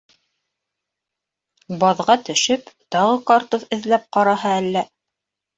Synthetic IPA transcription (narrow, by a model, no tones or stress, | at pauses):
bɑðʁɑt̪ɵ̆ʃɘpt̪ɑʁɤkɑɾt̪oθɘ̆ðlæp̚qɑɾɑɦɑælːæ